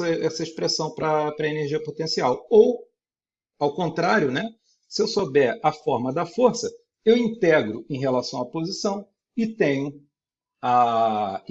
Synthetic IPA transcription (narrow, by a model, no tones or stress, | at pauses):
ɐɛsɐiʃpɾesɐ̃w̃pɾɐpɾɐeneɾʒiɐpot̪ẽsiawow | awkõnt̪ɾaɾjʊnɛ | sɪewsobɛɾɐfɔɾmɐd̪ɐfoɾsɐ | ewĩnt̪ɛɡɾʊẽj̃ɦelasɐ̃w̃aɐpozisɐ̃w̃ | ɪt̪ẽɲʊ | a